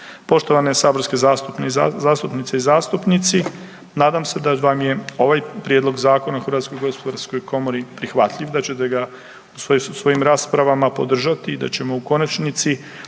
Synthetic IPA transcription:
po̞ʃt̪o̞ʋanesaːbo̞ɾske̞zast̪upnezazaːst̪upnit̪seizaːst̪upnit̪si | naːd̪amse̞d̪aʋamje̞o̞ʋajpɾjed̪lˠo̞ɡzaːko̞naxr̩ʋat̪sko̞jɡo̞spod̪aɾsko̞jko̞moɾipɾixʋat̪ʎʲiʋd̪at͡ɕe̞t̪e̞ɡa | usosʋo̞jimɾaːspɾaʋamapo̞d̪r̩ʒat̪iːd̪a̰t͡ɕe̞mo̞uko̞nat͡ʃnit̪si

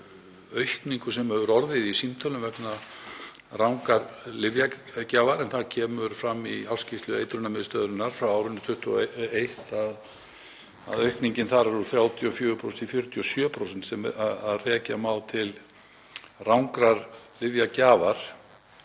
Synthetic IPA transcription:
œɥhkniŋkʏsɛmɛvʏɾɔɾðɪðisimt̪ʰœlʏmvɛpna | rawŋkaɾlɪvjacaːvaɾɛnθacʰɛːmʏɾfɾamːialscɪst̪lʏḛjt̪ɾʏnamɪðst̪œːðɾʏnːaɾ̥fɾawaːwɾʏnːt̪ʰʏht̪uejht̪að | a̰ðœɥhkniɲcɪnθaɾaɾuɾθɾjaːwt̪ʰjɔfjœːvʏpʰɾo̰sɛ̥nifjʏɾt̪ʰjʏɔsjœːpʰɾows̬ɛnt̪sɛmaðaðrɛːcamaːwt̪ʰɪl | rawŋkɾaɾlɪvjacaːvaɾ̥

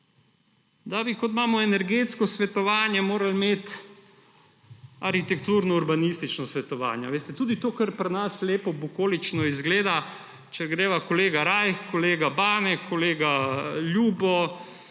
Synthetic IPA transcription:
d̪abikot̪maːmɔɛnɛɾɡet̪skɔsʋɛt̪ɔʋaːnjɛmoːɾalmeːt̪ | aɾxit̪ɛkt̪uːɾnɔuɾbanist̪it͡ʃnɔsʋɛt̪ɔʋa̰ːnja̰ʋeːst̪ɛt̪uːd̪it̪oːkaɾpɾnasleːpɔbukoːlit͡ʃnɔizɡleːd̪a | t͡ʃɛɡɾeːʋakoleːɡaɾajxkɔleːɡabaːnɛkʰɔleːɡaljuːbɔ

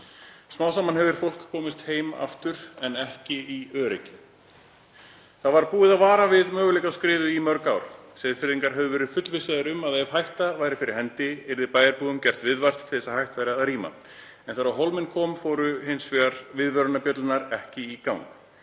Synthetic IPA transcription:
smaːwsamanɦɛvɪɾ̥fowl̥kʰːɔːmɪst̪heːjma̰ft̪ʏɾ̥ɛnɛhcɪiœːɾɛcɪ̥ | θavaɾpuːɪðaðvaːɾavɪðmœːɣʏlejkaskɾɪːðʏimœɾkawɾ̥sɛðfɪɾðiŋkaɾɦɛvʏvɛːɾɪðfʏt̪lvɪsɪðaɾʏmaðev̥hajht̪avaːjɾɪfɪɾɪɾ̥hɛnt̪ɪɪɾðɪpaːjaɾpuːðʏmcɛr̥t̪vɪðvar̥t̪ʰɪ̥sahajht̪vajɾɪaðaɾiːma̰ | ɛnθaɾawɦowlmɪnkʰɔːmfɔːwɾʏhɪnsfɛaɾvɪðvœɾʏnapjœt̪lɪnaɾɛhcɪikawŋk

